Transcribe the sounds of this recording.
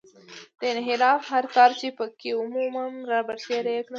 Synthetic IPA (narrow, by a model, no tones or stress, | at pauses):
d̪̥əɪnɦɪɾɑfɦaɾkɑɾt͡ʃepəkeʊmumanɾɑbaɾseɾejknə